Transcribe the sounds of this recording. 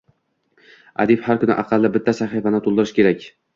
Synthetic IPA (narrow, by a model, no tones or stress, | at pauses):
a̰d̪iphaɾkʰʊnɪ̰ʔaqʰɑlˠːɪbɪt̪ʰːasaχifanɪt̪ʰolˠd̪ɪɾɪʃkʲe̞ɾakʲ